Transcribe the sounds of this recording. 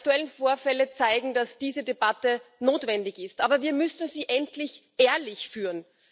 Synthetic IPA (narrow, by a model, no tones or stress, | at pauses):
ktuɛlənfoːɐfɛlət͡saɪɡŋ̩d̥asd̥iːzədebatənoːtv̥ɛndɪçɪstʔaːbɐviːɐmʏsn̩ziːʔɛntlɪçʔeːɐlɪçfyːɐn